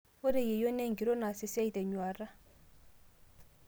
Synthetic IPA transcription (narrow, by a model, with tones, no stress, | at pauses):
wo˦de˨je˨jo˦nɛ˦ŋ˨ɡi˨ɾo˦na˨se˦sɛ˦i˨tɛ˨ɲu˨a˨ɾa˦